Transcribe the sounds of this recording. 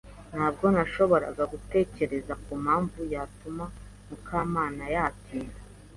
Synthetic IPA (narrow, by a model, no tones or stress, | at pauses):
n̥haːb̚ɡo̞naʃo̞βo̞ɾa̰ɡaɡute̞ːce̞ɾe̞zakumhaːɱvujaːtuma | mukʰaːmaːnajatʰiːna